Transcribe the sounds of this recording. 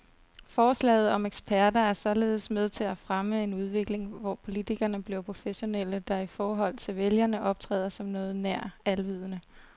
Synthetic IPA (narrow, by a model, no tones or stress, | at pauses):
fɒːslɛ̰ːɪð̞̩ˠɒ̽meɡ̥sb̥ʰæɐdɐæɐsɒ̽le̝ːð̞̩ˠəsmeð̞ˠt͡sʰe̝læfʁaməe̝nuð̞ˠʋe̝ɡ̥le̝ŋʋɒ̰pʰo̝lit͡sʰiɡ̥ɐnəb̥le̝ʊpʰʁo̝feɕo̝nel̰əd̥ɑ̈ifɒːɦɒ̽l̰t͡sʰe̝lʋeljɐnəʔɒ̽b̥̚t͡sʰʁɛ̰ːð̰ˠɐsɒ̽mnɔ̽ːð̞̩ˠnæɐ̰ælʋið̰ˠənə